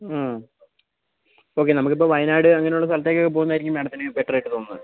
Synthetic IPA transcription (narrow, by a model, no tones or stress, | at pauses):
o̞ːk̬ːenɐmukːipːoːʋɐjnaːɽɨɐŋːɐne̞juɭːɐs̬ɐlɐt̪ːekʲːokːepoɣunːaːiɾikʲːumeːɽɐt̪ːinɨbeʈːɐrɐjʈːɨt̪o̞ːnːɨ̰